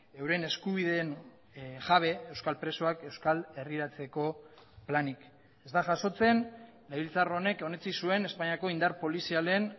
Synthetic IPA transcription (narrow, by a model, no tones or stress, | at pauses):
e̞wɾe̞ne̞skuβ̞iðe̞n | ʝaβ̞e̞ewskalpɾe̞soake̞wskale̞riɾat͡se̞ko̞ | planik | e̞zt̪aʝaso̞t͡se̞n | leβilt͡saro̞ne̞ko̞ne̞t͡sisue̞ne̞spaɲiako̞ind̪aɾpo̞lisiale̞n